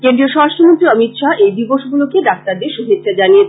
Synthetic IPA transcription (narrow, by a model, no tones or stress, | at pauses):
kend̪ɾioʃɔɾaʃʈʰomont̪ɾiɔmit̪ʃaʔejd̪iboʃɡulokeɖak̚t̪aɾd̪eɾʃuɦit̪ːʃʰad͡ʑanije